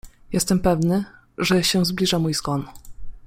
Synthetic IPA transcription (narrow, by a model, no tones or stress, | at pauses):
jɛst̪ɛmpɛvnɘ | ʐɛɕɛ̃zblʲiʐamujzɡwɔn